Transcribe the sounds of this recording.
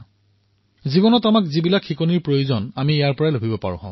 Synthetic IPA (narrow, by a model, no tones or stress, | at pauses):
zibɔnɔtamakzibilakʰxikɔniɹpɹojozɔnamiejaɹpɔɹalobʱibɔpa̰ɹʊ̰̃ɦã̰ʊ̃